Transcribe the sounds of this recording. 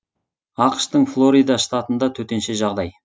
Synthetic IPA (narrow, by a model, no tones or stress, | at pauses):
ɑqə̥ʃt̪əɴflˠo̞ɾijd̪ɑst̪ɑt̪ənd̪ɑt̪ʰɵt̪e̞nʃeʒɑʁd̪ɑj